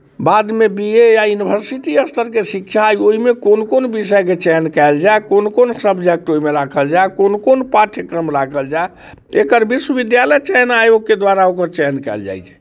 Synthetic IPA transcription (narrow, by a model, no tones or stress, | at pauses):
bad̪mebiejajunibʱəɾsit̪iəst̪ʰəɾkesikʃʰajoɦimekonkonbisəjket͡ʃɛɦnkɛɪld͡ʒaekonkonsəbd͡ʒɛk̚ʈoimeɾakʰəld͡ʒaekonkonpaʈʰjəkɾəmɾakʰəld͡ʒae | ekəɾbiswəbid̪jalɛt͡ʃɛɦnaeoked̪ʋaɾaokəɾt͡ʃɛɦnkɛ̰ld͡ʒa̰jt͡ʃʰɛ̥